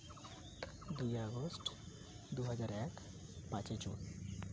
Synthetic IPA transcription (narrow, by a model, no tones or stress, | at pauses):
d̪ujɔɡosʈ | d̪uɦʌd͡ʒaɾɛk | pãt͡ʃet͡ʃṵn